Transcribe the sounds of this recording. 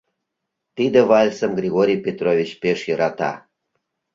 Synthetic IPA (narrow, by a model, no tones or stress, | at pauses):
t̪id̪ə̆vɑlʲsə̆mɡrʲiɣoɾʲijpʲet̪rovʲit͡ɕpeʃjəɾɑt̪ɑ̰